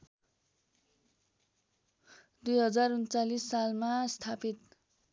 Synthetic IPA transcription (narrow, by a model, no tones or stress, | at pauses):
d̪ujɦʌd͡zarunt͡salisːalmast̪ʰapit̪̚